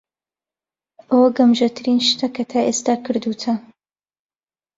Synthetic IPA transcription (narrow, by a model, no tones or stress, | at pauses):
ʔɐwɐɡɐmʒɐt̪ʰɨɾinʃt̪ʰɐkʰɐt̪ʰaːʔeːst̪aːkʰɨɾd̪ut̪ʰɐ